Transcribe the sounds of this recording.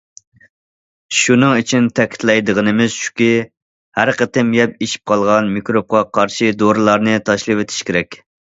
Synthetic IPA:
ʃunɨŋit͡ʃʰint̪ʰɛkʲʰi̥t̪ʰlɛjd̪əʁənɨmɪz̥ʃu̥kʲi | hæɾqət̪ɪmjɛp̚eʃi̥p̚qʰɑlˠʁɑnmikɾop̚qɑqʰɑɾʃid̪oɾɨlˠɑɾnɨt̪ʰɑʃlˠɨwet̪ʰɪ̥ʃkʲeɾɛkʲ

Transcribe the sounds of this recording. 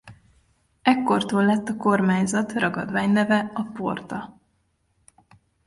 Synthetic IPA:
ɛkːo̞rt̪oːllɛt̪ːɒko̞rmaːɲzɒt̪rɒɡɒ̰d̪vaːɲnɛvɛɒpo̞̰rt̪ɒ

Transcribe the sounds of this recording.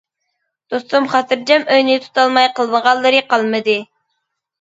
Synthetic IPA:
d̪̥ost̪umχɑt̪ʰɨɾd͡ʒɛmøjnɪt̪ʰu̥t̪ʰɑlˠmɑjqəlˠməʁɑlˠːɨɾɨqɑlˠmɨd̪ɨ

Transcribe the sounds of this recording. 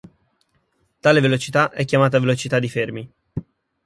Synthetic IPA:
t̪aːlevelot͡ʃit̪aʔɛkʲːjamaːt̪̬avelot͡ʃit̪ad̪ːifermi

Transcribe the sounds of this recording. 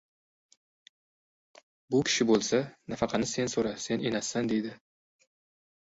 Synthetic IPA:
bʊkʲʰɪ̥ʃɪbolˠsanafɑqʰɑnɪse̞nsoɾase̞nenasːand̪e̞jd̪ɪ

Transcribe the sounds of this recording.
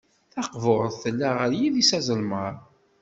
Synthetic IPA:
θɑqvʊɾˤəðθəlːæʁəɾjiðisæzˤəlməɾˤ

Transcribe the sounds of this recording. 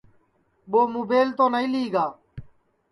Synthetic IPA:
ɓoːmuːbeːlt̪õːnəĩːliːɡaː

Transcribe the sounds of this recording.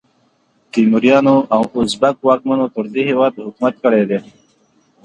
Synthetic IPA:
t̪imuɾjɑːnoʔawʊzbakwɑːk̚manot̪ʊɾd̪ehewɑːd̪hʊkmat̪̚kəɽed̪e

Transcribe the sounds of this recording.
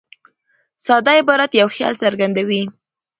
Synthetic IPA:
sɑd̪ɑɪbɑɾat̪jawxjɑ̰lsəɾɡand̪awi

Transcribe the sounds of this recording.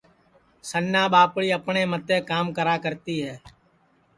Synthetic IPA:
sənjaːbaːpɽiəpneːmət̪eːkaːmkəɾaːkəɾt̪iɦɛː

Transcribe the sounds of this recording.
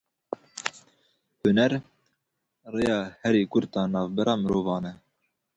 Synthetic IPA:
hʊnɛɾ | reːjɑːhɛɾiːkʊɾt̪ɑːnɑːvbɛɾɑːmɨɾoːvɑːnɛ

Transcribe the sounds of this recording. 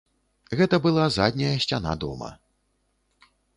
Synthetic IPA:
ɣɛt̪ɐbɨlˠazad̪ʲnʲɐjɐsʲt͡sʲana̰d̪ɔ̰mɐ̰

